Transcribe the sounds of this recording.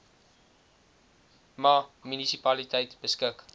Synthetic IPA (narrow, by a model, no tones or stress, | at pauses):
mɑmynisipɐlitɛjtbəskək